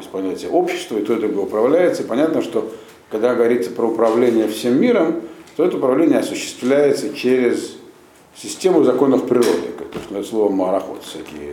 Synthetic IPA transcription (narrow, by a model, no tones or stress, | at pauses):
ɪsʲpɐlˠnʲætʲɪjəʔo̞pɕɪ̥st̪vəɪt̪od̪ɾuɡojʊpɾɐvlʲæjɪt̪səipɐnʲat̪nəʂt̪o | kɐɡd̪aɡəvɐɾʲit̪səpɾəʊpɾɐvlʲenʲɪjəfsʲemːʲiɾəmt̪oɛt̪əʊpɾɐvlʲenʲɪjəɐsʊɕːɪ̥st̪vlʲæjɪt̪sət͡ɕeɾʲɪz | sʲɪsʲtʲe̞mʊzɐko̞nːəfpɾʲɪɾo̞̰d̪ɨ̰t̪ost̪nɛslˠo̞vəməɾɐxo̰t̪st̪ɐkʲḭə̰